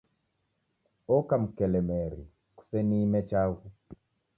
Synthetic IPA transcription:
ɔkam̩kɛlɛmɛɾi | ku̥sɛnimɛt͡ʃaɣu

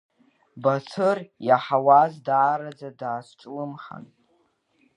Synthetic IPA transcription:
bat͡sʰɨrjaħawazdaːɾad͡zadaːsʷʈ͡ʂʼlɨmχa̰n

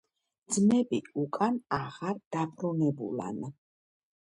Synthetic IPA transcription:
d̪zmɛbiukʼanaʁaɾd̪̥apʰɾɔnɛbṵla̰n

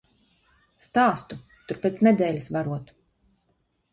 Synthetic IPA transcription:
st̪aːst̪u | t̪uɾpʲet̪snɛd̪ɛːlʲisvaɾuɔt̪

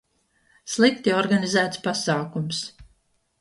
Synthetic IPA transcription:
slˠikt̪iɔɾɡanizæːt̪spasaːkums

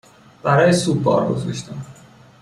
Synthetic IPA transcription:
b̥æɾɒːjesub̪̚bɒ̰ːɾɡo̰zɒʃt̪ʰim

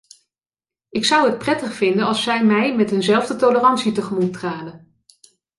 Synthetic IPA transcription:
ɪksʌwɦət̚prɛtəχfɪndənɑlˠsɛjmɛjmɛtɦɵnzɛlˠvdətolərɑnsitəχəmutraːlən

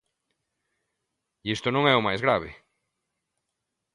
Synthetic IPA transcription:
ist̪ʊnõŋɛʊmajzɣɾaβɪ̰

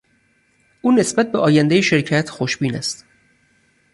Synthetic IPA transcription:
ʔuːne̞sbæt̪̚beʔɒːjænd̪ejeʃe̞ɾcʰæt̪ʰxoʃbiːnæst̪

